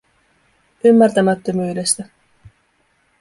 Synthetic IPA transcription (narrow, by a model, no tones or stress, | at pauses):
ymːært̪æmæt̪ːəmyːɾest̪æ